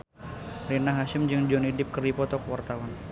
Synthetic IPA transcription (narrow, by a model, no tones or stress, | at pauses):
rinaɦaʃɪmd͡ʒɨŋd͡ʒɔnidɪp̚kərdipɔt̪ɔkəwart̪awan